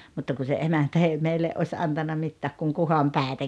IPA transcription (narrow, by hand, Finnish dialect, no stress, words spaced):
mutːɑ ku se emæntæ ei meilːeʔ ʔosʲ ɑntɑnːɑ mitːæːk kuŋ kuhɑmpæˑetæ